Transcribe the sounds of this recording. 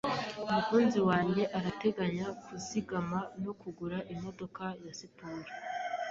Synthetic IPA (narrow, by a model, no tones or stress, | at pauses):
omukuːnziwaːɲɟe̞ʔaɾate̞ɡaɲakuziɡamanokuɡuɾaʔimo̞do̞kajasipuɾi